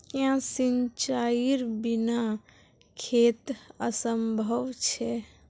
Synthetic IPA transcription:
kjãsint͡ʃaiɾbina | kʰet̪əsəmbʱəʋt͡ʃʰɛ

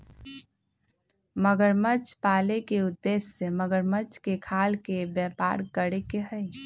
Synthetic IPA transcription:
məɡəɾmət͡ʃpaːlekeʊd̪ːeːsːeməɡəɾmət͡ʃkekʰaːlkebɛːpa̰ːɾkəɾekeɦəi

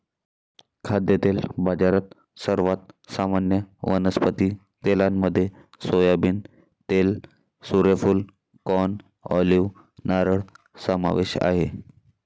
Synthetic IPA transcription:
kʰad̪ʱjət̪elbad͡zaɾət̪ | səɾʋat̪̚samanjəʋənəspət̪i | t̪elanmːəd̪ʱːje | sojabin | t̪el | suɾeful | kɔn | ɔ̰liʋ | naɾəɽ | səma̰ʋeɕa̰ɦe

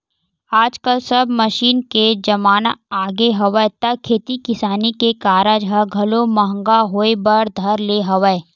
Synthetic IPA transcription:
aːd͡ʒkəlsɐbmɐʃiːnked͡ʒɐmaːnaaːɡeɦɐʋəet̪ɐkʰeːt̪ikɪsaːnikekaːɾəd͡ʒɦaɡʱɐlomɐɦə̃ŋɡaɦoːebɐɾd̪ʱɐɾleɦɐʋəe

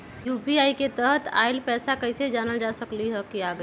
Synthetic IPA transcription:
juːpiaːiket̪əɦət̪ʰa̰ːɪlpɛːsakəɪsed͡ʒaːnəld͡ʒaːsəkliɦɛkiaːɡ

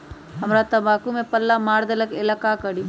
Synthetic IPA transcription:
ɦɐmɾat̪ɐbaːkumẽpɐlːamaːɾd̪ɐləkɪlaːkakɐɽi

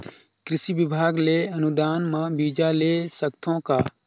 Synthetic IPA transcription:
kɾɪsibɪbʱaːɡleɐnud̪aːnmẽbiːd͡ʒaleːsəkt̪ʰõka

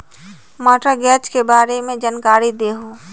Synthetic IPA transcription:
maːʈɾaɡɛːt͡ʃkebaːɾemẽd͡ʒaːnkaːɾid̪eɦoː

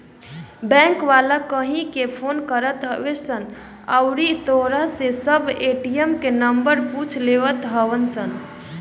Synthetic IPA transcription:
bɛ̃ŋkʋalakəɦĩkepʰonkəɾət̪ɦəbesən | ə̰ʊɾit̪oɾasesəbeʈijəmkenəmbəɾput͡ʃʰleʋət̪ɦəʋənsən

